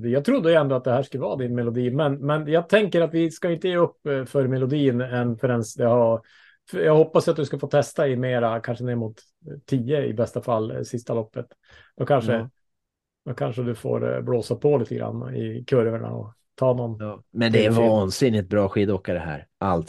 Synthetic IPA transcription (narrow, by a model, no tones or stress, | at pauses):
d̪jɑɡt̪ʰɾʊd̪ːəjɛnd̪ɔat̪̚d̪ɛhæːʂkɵləvɑ̰ːd̪ɪnmɛlʊd̪iːmɛnmɛnjɑːɡ̚t̪ʰɛŋkəɾat̪vɪskaɪnt̪əjeːɵpːfœɾmɛlʊd̪iːnɛnfœɾɛnsd̪ɛha | fjɑːɡhɔpːasat̪̚d̪ɵskafoːt̪ʰɛst̪aɪmeːɾakʰanʂənɛːɾmuːt̪ʰː | iːəɪ̰bɛst̪afal̰ːsɪst̪alɔpːət̪ | d̪̥ɔkʰanʂə | d̪̥ɔkʰanʂəd̪ɵfo̰ːɾbloːsapʰɔliːt̪əɡɾa̰n̰ːɪ̰kʰɵɾvəɳa̰ɔ̰ | t̪ʰɑːnɔnmɛnd̪ɛɛɾvɑːnsɪnːɪt̪̚bɾɑːɧiːd̪ɔːkːad̪ɛhæ̰ːɾʔa̰lt̪